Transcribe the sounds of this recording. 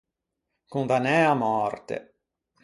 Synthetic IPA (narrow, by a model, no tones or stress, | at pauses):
kund̪anɛamɔɾt̪ḛ